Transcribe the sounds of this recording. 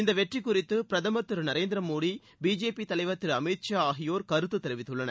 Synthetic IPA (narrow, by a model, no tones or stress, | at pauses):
ɪnd̪ɐʋɛʈrikːʊɾɪt̪ːɯpɪɾɐðɐmɐt̪ːɯɾnɐɾeːnd̪ɪɾɐmoːɽi | biːd͡ʒeːpit̪ɐlɐɪʋɐt̪ːɪɾɐmɛʈt͡ʃaːaːɦɪjoːɾkɐɾɯt̪ːɯt̪ːɛɾɪʋɪt̪ːɯɭːɐnɐɾ